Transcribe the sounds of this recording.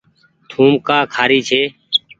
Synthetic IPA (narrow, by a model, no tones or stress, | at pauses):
t̪ʰuːmkaːkʰaːɾiːt͡ʃʰeː